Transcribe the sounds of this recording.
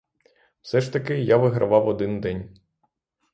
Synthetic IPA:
wsɛʃt̪ɐkɪjaʋɪɦɾʔɐ̰ʋɑwɔd̪ɪnd̪ɛnʲ

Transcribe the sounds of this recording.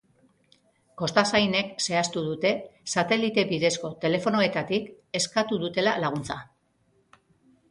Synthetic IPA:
ko̞st̪asajne̞kse̞ast̪uðut̪e̞sat̪e̞lit̪e̞βiðe̞sko̞t̪e̞le̞fo̞no̞e̞t̪at̪ik | e̞skat̪uðut̪e̞lalaɣ̞unt͡sa

